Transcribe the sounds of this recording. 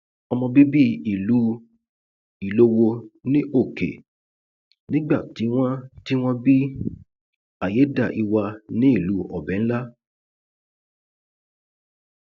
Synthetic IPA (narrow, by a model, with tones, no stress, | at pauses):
ɔ˧mɔ̃˧bi˦bi˦i˦˨lu˨˦ | i˨lo˦wo˧nĩ˦ʔo˦˨kḛ˨ | nĩ˦ɡ͡ba˦˨ti˨˦w̃ɔ̃˦ti˦w̃ɔ̃˦bi˦ | a˨je˨˦da˦˨ʔi˧wa˧nĩ˦i˦˨lu˨˦ɔ̰˨bɛ˨˦n̩˦la˦